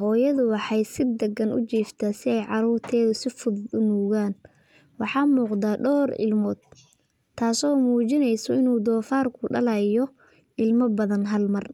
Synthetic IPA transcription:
hɔːjɐðʊwɑħɑjsɪd̪ɐɡɐnʊ̰t͡ʃiːft̪ʰɐsɪɛjʕɑɾuːrt̪ʰɛːðʊsɪfʊðʊnuːɣaːn | wɑħɑːmuːqd̪aːɖɔːrɪ̰lmɔːd̪̥̚ | t̪ʰːaːsɔːmuːt͡ʃɪnɛjsɔɪnuːd̪ɔːfaːrkʰʊɖɐlɛjɔ | ʔɪlmɐbɐðɐnɦɐlmɐr

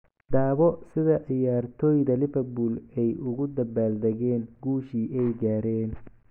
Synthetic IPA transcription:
d̪aːβɔsɪðɐʔɪjaːrt̪ʰɔːjðɐlɪβɐbulɛjʊɣʊd̪ɐbaːld̪ɐɣɛːnɡuːʃiːʔɛjɡaːɾɛːn

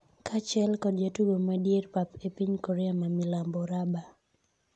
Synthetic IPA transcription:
kʰat͡ʃɛlkɔdjatuɡomadjerpapepiɲkɔɾɛamamɪlambɔɾaba

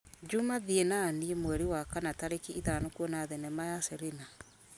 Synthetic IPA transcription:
d͡ʒumaðienaːniemwɛɾiwakanataɾekeiðanokwɔnaðɛnɛmajasɛɾena

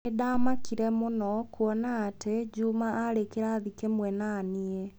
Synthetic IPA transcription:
edaːmakiɾɛmonɔkuɔnaːtʰed͡ʒumaʔaɾekeɾaðikemwɛnanie

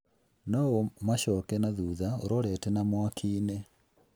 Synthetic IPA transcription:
nɔomaɕɔkɛnaðuːðaoɾɔɾɛtɛnamwakʰiːne

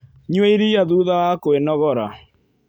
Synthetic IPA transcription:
ɲwɛiɾijaðuːðawakoenɔɣɔɾa

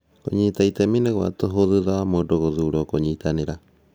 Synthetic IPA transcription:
ko̰ɲit̪ait̪emineɣwa̰t̪oɦoðɨðaamoɖoɣoðuɾokoɲit̪aniɾa

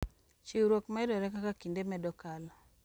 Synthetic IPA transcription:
t͡ʃiwɾokmɛdɔɾɛkakakindemɛdɔkal

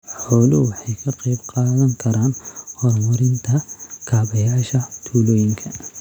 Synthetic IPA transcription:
ħɔːlʊwɑħɑjkʰɐqejbqɑːðɐŋkʰɐɾaːnhɔrmʊɾɪnt̪ʰɐkʰaːβɐjaːʃɐt̪ʰuːlɔːjɪŋkʰɐ

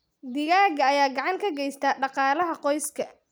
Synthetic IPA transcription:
d̪ɪɣaːɣɐːjaːɡɑʕɑŋkʰɐɡɛjst̪ʰaːɖɑqɑːlɐɦɐqɔjskʰɐ

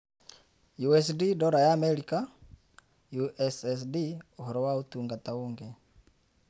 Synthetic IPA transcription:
juɛs̬didɔɾajaːmɛɾika | juʔɛsɛsdioɦɔɾɔwautuŋɡatauŋɡɛ

